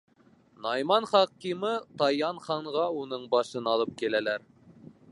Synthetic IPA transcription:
nɑjmɑnχɑqːimɤt̪ɑjɑnχɑɴʁɑunɤɴbɑʃɤnɑlˠɤp̚kilælæɾ

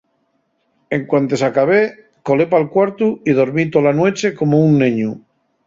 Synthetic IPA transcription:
e̞ŋkwant̪e̞sakaβe | kolepalkwaɾt̪uið̞oɾmit̪olanwe̞t͡ʃe̞ko̞mounːẽɲu

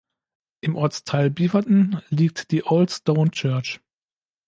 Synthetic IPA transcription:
ʔɪmʔɔɐt͡stʰaɪlbiːvɐtn̩liːk̚td̥iːʔoʊltstoʊnt͡ʃœɐt͡ʃ

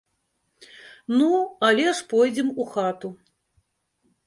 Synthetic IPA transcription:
nualʲɛʂpɔjd͡zʲɛmuxat̪u

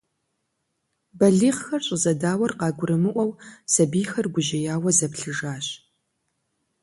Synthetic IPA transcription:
bɐɮiːχxɐrɕʼɪzɐdaːwɐrqɑːɡʷʊɾɨmɨʔʷɐwsɐbiːxɐrɡʷʊʒɐjaːwɐzɐpɬɨʐaːɕ

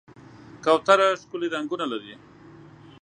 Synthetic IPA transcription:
kawt̪aɾaʂkuliɾaŋɡunalaɾi

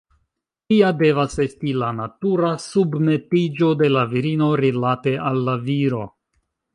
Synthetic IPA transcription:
tiade̞vase̞stilanatuɾasubme̞tid͡ʒo̞de̞laviɾino̞ɾilate̞ʔalːaviɾo̞̰

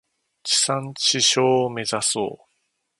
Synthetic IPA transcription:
t͡ɕi̥sãɲt͡ɕiɕoːme̞zaso̰ː

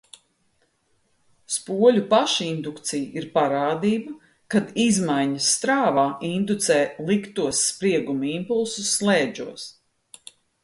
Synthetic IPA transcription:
spuɔlʲupaʃind̪ukt̪sijiɾpaɾaːd̪iːbɐ | kad̪izmajɲɐsːt̪ɾaːvaːind̪ut̪sɛːlˠikt̪uɔsːpɾiɛɡumuimpulˠsusːlɛːd͡ʒuɔs

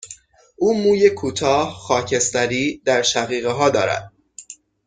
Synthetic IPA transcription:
ʔuːmuːje̞kʰuːt̪ʰɒːhxɒːcʰe̞st̪æɾiːd̪̥æɾʃæɣiːɣeɦɒːd̪ɒːɾæ̰d̪̥̚

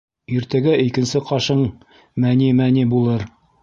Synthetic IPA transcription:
iɾt̪æɡæʔikɘ̆nsɘqɑʃɤɴ | mænimænibulˠɤɾ

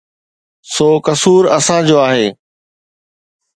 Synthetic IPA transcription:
soːkɐsuːɾɐsãd͡ʑoːaːɦeː

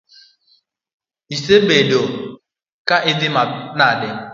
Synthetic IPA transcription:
isebedo | kaʔɪdɪmanadɪ

